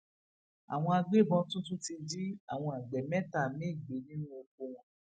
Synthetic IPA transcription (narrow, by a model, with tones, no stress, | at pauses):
a̰˨w̃ɔ̃˧a˧ɡ͡be˦˨bɔ̃˧tũ˦tũ˦ti˧n̩˦d͡ʒi˦a̰˦˨w̃ɔ̃˧a˨ɡ͡bɛ˨mɛ˦ta˦˨mĩ˦i˦˨ɡ͡be˨˦nĩ˦nũ˦o˧k̚ũ˧˨˦